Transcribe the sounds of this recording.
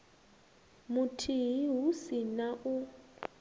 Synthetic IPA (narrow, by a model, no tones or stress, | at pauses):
mʊtʰiɦiɦusinaʔʊ